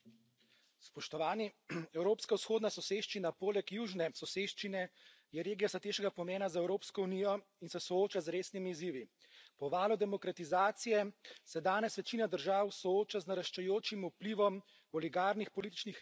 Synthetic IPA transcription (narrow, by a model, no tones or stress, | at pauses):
spɔʃt̪ɔʋaːniɛwɾoːpskawsxoːd̪nasɔseːʃt͡ʃinapoːlɛkjuːʒnɛsɔseːʃt͡ʃinɛ | jɛɾeːɡijasat̪eːʃɛɡapɔmeːnazaɛwɾoːpskɔunijɔ | insɛsɔoːt͡ʃazɾeːsnimiːziːʋi | pɔʋaːlɔd̪ɛmɔkɾat̪izaːt̪sijɛsɛd̪aːnɛsʋɛt͡ʃiːnad̪əɾʒaːwsɔoːt͡ʃaznaɾaʃt͡ʃɛjoːt͡ʃimupliʋɔm | ɔliɡaːɾnixpɔliːt̪i̥t͡ʃnix